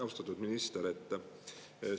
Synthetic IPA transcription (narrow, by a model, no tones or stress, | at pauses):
ɑwst̪ɑt̪ːˑud̪minist̪eɾe̞t̪ːˑ